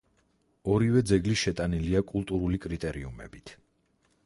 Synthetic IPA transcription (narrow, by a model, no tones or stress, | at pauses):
ɔɾivɛd̪zɛɡliʃɛt̪ʼaniliakʼulˠt̪ʼuɾulikʼɾit̪ʼɛɾiumɛ̰bit̪ʰ